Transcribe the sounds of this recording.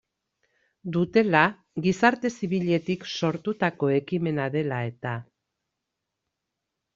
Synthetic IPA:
d̪ut̪e̞la | ɣisaɾt̪e̞siβiʎe̞t̪ikso̞ɾt̪ut̪ako̞e̞kime̞naðe̞lae̞t̪a

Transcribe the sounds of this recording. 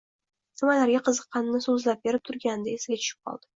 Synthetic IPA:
sɪmalaɾɡʲaqʰɨzɨqːɑnːɪsɵzlap̚beɾɪp̚t̪ʰʊɾɡʲand̪aesɪɡʲat͡ʃʰʊ̥ʃɪ̥p̚qʰɒ̰lˠd̪̥ɪ̥

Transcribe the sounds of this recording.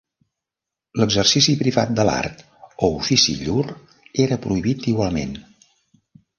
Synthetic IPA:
ləɡzərsisipɾiβa̰t̪̚d̪əla̰rt̪ | oufisḭʎur | eɾəpɾuiβit̪iɣwalˠmḛn

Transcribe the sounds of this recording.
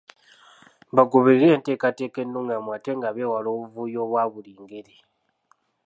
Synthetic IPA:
βaɡuβiiɾeːnte̞katekenːuːŋɡamwateŋɡaβewaloːβuvujo̞βwaβuliːŋɡeɾi

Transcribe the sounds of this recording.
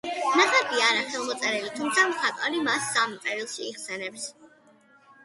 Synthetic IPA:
naχabʰiaːɾaχɛlˠmɔt̪sʼɛɾɛlit̪ʰumt̪sʰamχʰat̪ʼalimasːampʼɛɾilˠʃiːχsɛnɛps

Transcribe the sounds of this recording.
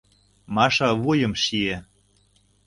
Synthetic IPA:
mɑʃɑβujə̆mʃie

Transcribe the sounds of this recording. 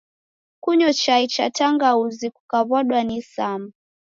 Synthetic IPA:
kuɲɔt͡ʃait͡ʃa̰taŋɡauzikukaβɔɗwanisama

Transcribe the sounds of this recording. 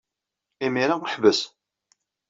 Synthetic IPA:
imiɾaəħvəs

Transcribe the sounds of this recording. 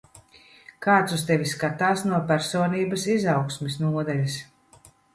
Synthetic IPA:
kaːt̪sust̪evʲiskat̪aːsnuɔpæɾsoːniːbɐsizawksmisnuɔd̪ɛlʲis

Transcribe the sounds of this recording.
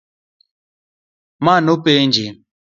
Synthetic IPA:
manopend͡ʒe

